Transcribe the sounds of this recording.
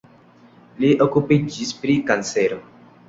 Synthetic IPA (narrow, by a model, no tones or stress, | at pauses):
liʔokupid͡ʒispɾikanseɾo